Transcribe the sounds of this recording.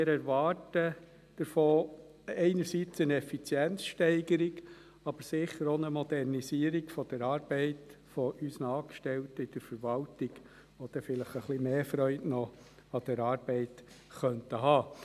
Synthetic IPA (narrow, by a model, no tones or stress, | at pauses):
mɪɾɛɾʋɑːtə | d̥əɾfoː | ɛɪnəɾsit͡sənɛfit͡sjɛnt͡sʃtɛɪɡəɾiɡ | ɑb̥əɾsɪχəɾonəmɔd̪ɛrnisiəɾiɡfɔd̥ɛɾɑːɾbɛɪtfɔʔysənɑːkʃtɛltəɪd̥əɾfəɾʋɑltiɡ | ʋod̥ɛfɪləχəχlimeːfɾœʏtnɔ | ɑd̪̥ɛɾɑːɾb̥ɛɪt | χœntəɦɑː